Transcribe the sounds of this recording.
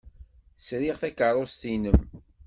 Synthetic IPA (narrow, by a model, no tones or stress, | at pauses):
sɾiʁθækərˤost̪inəm